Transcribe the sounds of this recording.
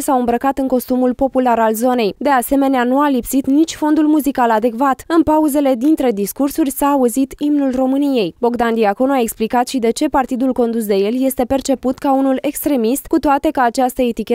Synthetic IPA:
saɨmbɾəkat̪ɨŋko̞st̪umulpo̞pulaɾalzo̞ne̞jd̪e̞ase̞me̞neanualipsit̪nit͡ʃʲfo̞nd̪ulmuzikalad̪e̞kvat̪ɨnpauze̞le̞d̪int̪ɾe̞d̪iskursurʲsaːuzit̪imnulro̞mɨnije̞jbo̞ɡd̪and̪iako̞nuae̞ksplikat̪ʃid̪e̞t͡ʃe̞part̪id̪ulko̞nd̪us̬d̪e̞je̞lje̞st̪e̞pe̞rt͡ʃe̞put̪kaunule̞kst̪ɾe̞mist̪kut̪oat̪e̞kəat͡ʃast̪əet̪ikʲe

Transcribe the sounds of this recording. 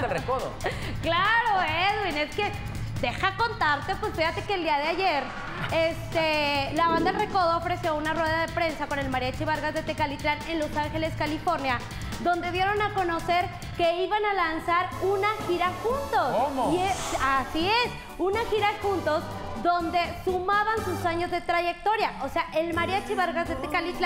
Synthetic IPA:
rkoðoklaɾoeðwine̞ske̞ | d̪e̞xako̞nt̪aɾt̪e̞pwe̞sfiɣat̪e̞keːld̪iaðeaʝe̞ɾ | est̪elaβand̪aelreko̞ðoːfɾe̞sjo̞unarwe̞ðaðe̞pɾe̞nsako̞ne̞lmaɾjat͡ʃiβaɾɣazðe̞t̪e̞kalit̪ɾane̞nlo̞saŋxe̞le̞skalifo̞ɾnja | d̪o̞nd̪e̞ðje̞ɾo̞nako̞no̞se̞ɾ | ke̞iβanalansaɾunaxiɾaxunt̪o̞sieasies | unaxiɾaxunt̪o̞z | ðo̞nd̪e̞sumaβansusaɲo̞zðe̞t̪ɾaʝe̞k̚t̪o̞ɾjaʔo̞seaʔe̞lmaɾjat͡ʃiβaɾɣazðe̞t̪ekalit̪la

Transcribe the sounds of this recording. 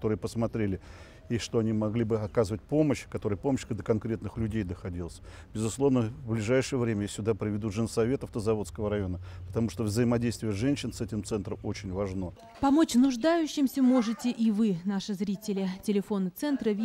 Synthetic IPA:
t̪o̞ɾɨjəpəsmɐt̪ɾʲelʲɪ | iʂt̪o̞ɐnʲimɐɡlʲibɨɐkazəvət̚ʲpo̞məɕkɐt̪o̞ɾəjpo̞məɕd̪əkɐnkɾʲet̪nɨxlʲʉdʲejd̪əxɐdʲilˠəsʲ | bʲɪzʊslˠo̞vnəvblʲɪʐajʂɨjəvɾʲemʲəjasʲʊd̪apɾʲɪvʲɪd̪uʐɨnəsɐvʲe̞t̪ɐft̪əzɐvo̞t̪skəvəɾɐjo̞nəpə̥t̪ɐmuʂt̪ovzəjɪmɐdʲejst̪vʲɪjəʐɛnʲɕːɪnsɛtʲɪmt̪sɛnt̪ɾəmo̞t͡ɕɪnʲvɐʐno̞ | pɐmo̞t͡ɕnʊʐd̪ajʉɕːɪmsʲəmo̞ʐɨtʲɪʔivɨnaʂɨzɾʲitʲɪlʲɪtʲɪlʲɪfo̞nɨt̪sɛnt̪ɾəvʲ

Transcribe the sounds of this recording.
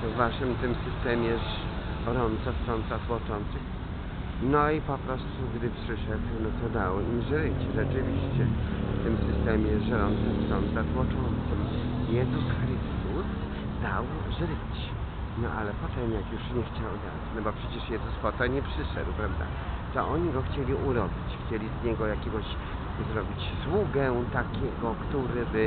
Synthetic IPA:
t̪ɔvːaʂɘmt̪ɘmsɘst̪ɛmʲjɛʂ | ɾɔnsast̪ɔnt̪zat̪wɔt͡ʂɔnt̪sɨx | nɔipɔpɾɔst̪uɡd̪ɘpʂɘʂɛd̪wnɔt̪ɔd̪awɔimzɾɘt͡ɕʐɛt͡ʂɘvʲiɕt͡ɕɛft̪ɘmsɘst̪ɛmʲjɛʂɾɔnt̪sast̪ɔnt̪zat̪wɔt͡ʂɔnt̪sɪmjɛd̪ukɾɪst̪us | d̪awʐɾɘt͡ɕ | nɔ̰ʔa̰lɛpɔt̪ɛmjakjuʂɲɛxt͡ɕawd̪a̰d̪at͡ɕnɔbɔpʂɛt͡ɕɛʂjɛzuspɔt̪aɲɛpʂɘʂɛ̰d̪wpɾavd̪a̰ | t̪ɔʔɔɲiɡɔxt͡ɕelʲiʔuɾɔbʲit͡ɕxt͡ɕelʲizɲɛɡɔjakʲeɡɔɕ | zɾɔbʲit͡ɕswuɡɛt̪akʲɛɡɔkt̪uɾɘbɘ

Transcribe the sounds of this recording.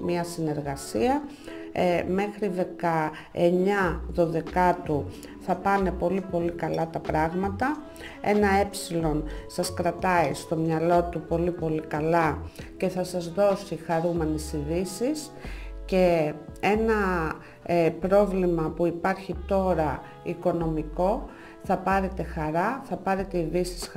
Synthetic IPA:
miɐsine̞ɾɣɐsiɐ | me̞xɾiðe̞kɐ | e̞ɲɐðo̞ðe̞kɐt̪u | θɐpɐne̞po̞lipo̞likɐlɐt̪ɐpɾɐɣmɐt̪ɐ | e̞nɐe̞psilo̞nsɐskɾɐt̪ɐist̪o̞mɲɐlo̞t̪upo̞lipo̞likɐlɐce̞θɐsɐzðo̞sixɐɾume̞nesiðisis | ce̞e̞nɐ | pɾo̞vlimɐpuipɐɾçit̪o̞ɾɐ | iko̞no̞miko̞ | θɐpɐɾe̞t̪e̞xɐɾɐθɐpɐɾe̞t̪eiðisi̥s

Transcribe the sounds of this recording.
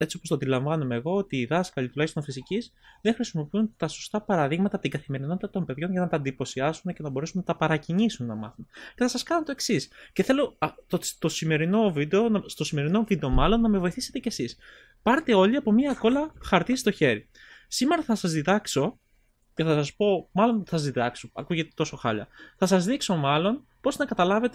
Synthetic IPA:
e̞t͡sio̞post̪ɐnd̪ilɐɱvɐnomeːɣo̞ot̪iːðɐskɐlit̪ulɐçist̪ofisiciz | ðeŋxɾisimo̞piunt̪ɐso̞st̪ɐpɐɾɐðiɣmɐt̪ɐt̪iɡɐθime̞ɾino̞t̪it̪ɐt̪o̞mbe̞ðʝo̞nʝɐnɐt̪ɐːnd̪ipo̞siɐsunece̞nɐbo̞ɾesunɐt̪ɐpɐɾɐcinisunːɐmɐ̰θunceθɐsɐskɐnot̪o̞e̞ksisce̞θe̞lo̞ost̪o̞sime̞ɾino̞vid̪eo̞nɐst̪o̞sime̞ɾino̞vid̪e̞o̞mɐlo̞nːɐme̞vo̞iθise̞t̪ecesis | pɐɾet̪e̞o̞ʎiɐpo̞mɲɐko̞lɐxɐɾt̪ist̪o̞çe̞ɾi | sime̞ɾɐθɐsɐzðiðɐkso̞ | ce̞θɐsɐspo̞mɐlo̞nsɐzðiðɐksoɐkuʝet̪et̪o̞so̞xɐ̰ʎɐ̰θɐsɐzðikso̞mɐlo̞npo̞znɐkɐt̪ɐlɐve̞t̪e

